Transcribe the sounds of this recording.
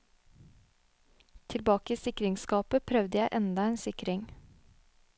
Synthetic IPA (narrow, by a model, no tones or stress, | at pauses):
t̪ʰɪlbɑːkəiːsɪkɾɪŋskɑːpəpʰɾœʋd̪əjæɪʔɛnd̪ɑeːnsɪkɾɪŋ